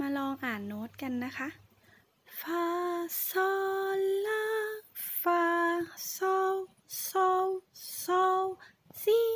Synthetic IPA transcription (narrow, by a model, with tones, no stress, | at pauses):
maː˧lɔː˧ŋʔaː˨˩nːoː˨˦˥t̪̚ka˧˨nːa˦˥xʰa˦˥ʔ | fʰaː˧sɔː˧la˦˧˥faː˧sɔː˧w | sɔː˧wsɔː˧w | siː˨˩